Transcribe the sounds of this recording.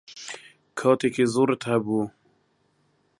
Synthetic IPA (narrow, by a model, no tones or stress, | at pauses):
kʰɑːt̪eːkeːzoːɾɨt̪hɛbuː